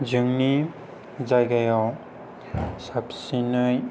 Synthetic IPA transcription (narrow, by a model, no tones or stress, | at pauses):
d͡ʒɯŋni | zajɡajɔw | sapsinɯj